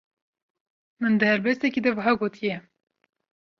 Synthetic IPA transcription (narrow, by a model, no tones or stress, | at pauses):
mɨnd̪ɨhɛɾbɛst̪ɛkid̪ɛvɐɦɑːɡoːt̪ʰijɛ